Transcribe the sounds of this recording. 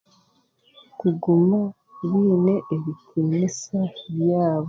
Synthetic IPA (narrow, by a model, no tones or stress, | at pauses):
kuɡuma | βiːne̞ʔeβikʰinisaβjaːβo